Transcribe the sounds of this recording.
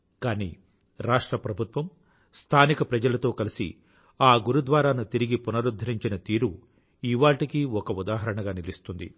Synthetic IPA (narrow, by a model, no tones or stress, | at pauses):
kaːnḭː | ɾaːʂʈɾɐpɾɐbʱut̪ʋɐm | st̪ʰaːnikɐpɾɐd͡ʒɐlɐt̪o̞ːkɐlisḭ | aːɡuɾud̪ʋaːɾaːnut̪iɾiɡipunɐɾud̪ʱːɐɾiɲt͡ʃinɐt̪iːɾu | iʋaːʈikiɔkɐud̪aːɦɐɾɐɳɐɡaːnilist̪und̪ḭ